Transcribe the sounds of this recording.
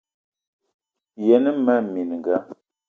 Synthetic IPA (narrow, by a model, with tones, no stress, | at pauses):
jɛ˨nə˦ma˦mi˨n˨ŋ˨ɡa˦